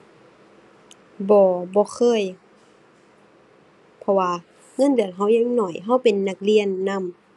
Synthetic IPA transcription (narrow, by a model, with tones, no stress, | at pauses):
bɔː˨˧˦bɔː˧˦xʰɤː˧˥˨j | pʰɔ˧waː˧ | ŋɤ˧˥˨ndɯ˨˩ənɦa˧˥˩wɲa˧˥˨ŋnɔ˧˩jɦa˧˩wpe˨nːa˧˩k̚li˧˨ənːa˧˥˨m